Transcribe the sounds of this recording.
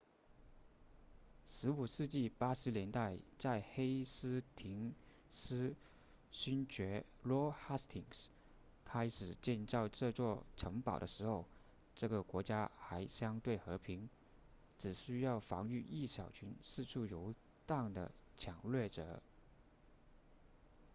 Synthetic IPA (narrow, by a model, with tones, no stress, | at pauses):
ʂɻ̩˧˥u˨˩ʂɻ̩˥˧t͡ɕi˥˩pa˥ʂɻ̩˧˥ljɛ˧˥nt̪a˥˧ɪt͡sa˥˩ɪxe˥ɪsɹ̩˥t̪ʰi˧˥ŋ | sɹ̩˥ | ɕy˥nt͡ɕɥɛ˧˥ | lwɔ˥xa˥st̪ʰi˨˩ŋs | kʰa˥ɪʂɻ̩˨˩t͡ɕjɛ˥˧nt͡sɑ˥˧ʊʈ͡ʂɤ˥˧t͡swɔ˥˩ʈ͡ʂʰɤ˧˥ŋpɑ˨˩ʊd̪ə˦ʂɻ̩˧˥xo˥˩˧ʊ | ʈ͡ʂɤ˥˩ɡə˩kwɔ˧˥t͡ɕja˥xa˧˥ɪɕjɑ˥ŋt̪we˥˩ɪxɤ˧˥pʰi˧˥ŋ | ʈ͡ʂɻ̩˨˩ɕy˥jɑ˥˩ʊfɑ̰˧˥ŋy˥˧i˥˩ɕjɑ˨˩ʊt͡ɕʰy˧˥nsɹ̩˥˧ʈ͡ʂʰu˥˩jo˧˥ʊ | t̪a˥˩ŋd̪ə̰˩t͡ɕʰjɑ˨˩ŋlɥɛ˥˩ʈ͡ʂɤ̰˨˩˦